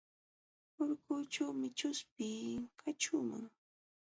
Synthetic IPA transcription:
oɾkʊːt͡ʃawmɪt͡ʃʊspɪːkʰat͡ʃʊːma̰ŋ

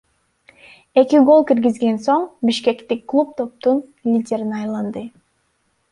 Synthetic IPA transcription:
e̞kiɡo̞lˠkiɾɡizɡe̞nso̞ɴbiʃke̞kt̪ikːlˠup̚t̪o̞p̚t̪un | lʲidʲe̞ɾinɑjlˠɑnd̪ɯ

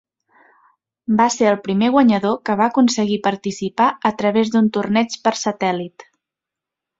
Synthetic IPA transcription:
baseəlˠpɾimeɣwəɲəðokəβaəkunsəɣipəɾt̪isipaət̪ɾəβezd̪unt̪urnɛt͡ʃpəɾsət̪ɛlit̪

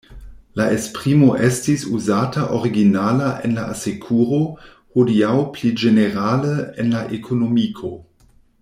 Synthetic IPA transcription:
laʔespʁimoʔestisuzaːtaʔoʁiɡinaːlaʔenlaʔasekʰuʁo | hodiawplid͡ʒeneʁaːləenlaʔekʰonomikʰo

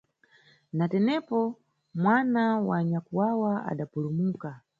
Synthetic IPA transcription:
natɛnɛpɔ | mwanawaɲakuwawaa̰ɗapulumuːka

